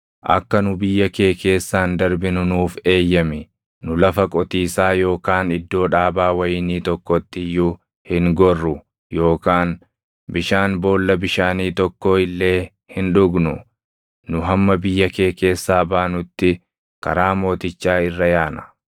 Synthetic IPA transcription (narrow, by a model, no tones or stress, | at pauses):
ʔɐ̰kːɐnʊbɪjːɐke̞ːke̞ːsːaːnd̪ɐɾbɪnʊnuːfe̞ːjːɐmɪ | nʊlɐfɐkʼɔt̪iːsaːjo̞ːkaːnɪd̪ːo̞ːᶑaːbaːwɐjɪniːt̪ɔkːɔt̪ːɪjːʊ | hɪŋɡɔrːʊ | jo̞ːkaːn | bɪʃaːnbo̞ːlːɐbɪʃaːniːt̪ɔkːo̞ːɪlːe̞ː | hɪnᶑʊɡnʊ | nʊɦɐmːɐbɪjːɐke̞ːke̞ːsːaːbaːnʊt̪ːɪ | kɐ̰ɾaːmo̞ːt̪ɪt͡ʃːaːɪrːɐjaːnɐ̥